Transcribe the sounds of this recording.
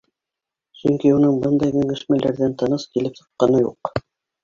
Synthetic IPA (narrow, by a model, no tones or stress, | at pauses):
sɵŋkiunɤɴbɤnd̪ɑjɡɵ̆ŋɘ̆ʃmælæɾðænt̪ɑnɤskilɘpsɤ̥̆qːɑnɤjṵq